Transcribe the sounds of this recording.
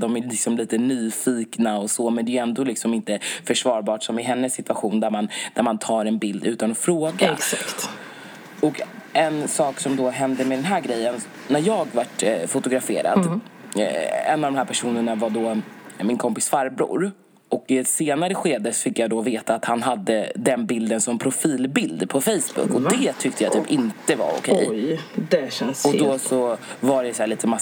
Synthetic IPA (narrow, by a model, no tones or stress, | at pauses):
d̪ɔmælɪksɔmliːt̪ənyːfiːknaɔsomɛnd̪ɛɛnd̪oːlɪksɔmɪnt̪əfœʂvɑːɾbɑːʈsɔmɪɦɛnːəsːɪt̪v̥aɧuːnd̪æɾmand̪̥æɾmant̪ʰɑːɾɛnbɪld̪ʉ̟ːt̪anɔfɾoːɡaɛsakt̪ | ɔkɛnsɑːksɔmd̪ɔɦɛnd̪əmɛd̪ɛnɦæːɾɡɾɛjːən | nːæɾjɑːɡvaʈfʊt̪ʊɡɾafḛːɾa̰d̪ | ɛ̰nːavd̪ɔmhæːpʰæʂuːnəɳavaɖɔmɪnkʰɔmpɪ̥sfaɾbɾṵːɾ | ɔkɪseːnaɾəɧeːd̪əsɔfɪkːjad̪ɔveːt̪aːt̪hanɦad̪ːəd̪ɛnbɪld̪ənsɔmmpʰɾʊfiːlbɪld̪pʰɔfɛjsbɵ̰kːɔd̪ɛt̪ʰʏk̚t̪ʰəjat̪ʰyːpːɪnt̪əva̰ɾʊ̰kʰɛ̰jd̪ɛɛnɔd̪ɔsɔvaɖɛsæːɭiːt̪əma